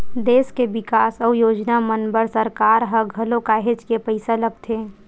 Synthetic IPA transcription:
d̪eːskebɪkaːsəujoːd͡ʒnamənbəɾsəɾkaːɾɦəɡʱəlokaːɦed͡ʒkepəɪsaləɡt̪ʰeː

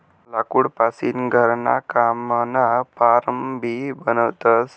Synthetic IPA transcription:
lakuɽpasinɡʱəɾna̰kamənapaɾəmbʱibənəʋt̪əs

